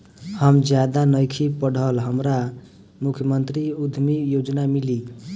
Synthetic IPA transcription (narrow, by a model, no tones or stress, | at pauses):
həmd͡ʒjad̪anəjkʰipəɽ̤ʱəlɦəmɾa | mukʰjəmənt̪ɾiud̪ʱmijod͡ʒnamili